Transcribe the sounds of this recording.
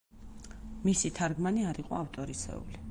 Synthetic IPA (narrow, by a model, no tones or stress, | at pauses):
misit̪ʰaɾɡmaniaɾiqʼɔ̰aft̪ʼɔɾisʰɛ̰ṵli